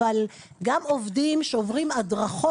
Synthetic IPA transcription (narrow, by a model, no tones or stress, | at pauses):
al | ɡamovdimʃeovʁimadʁaχo